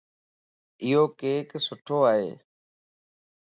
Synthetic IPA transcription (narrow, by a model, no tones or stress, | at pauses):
ɪɦoːkeːksʊʈʰoːaːɦḛː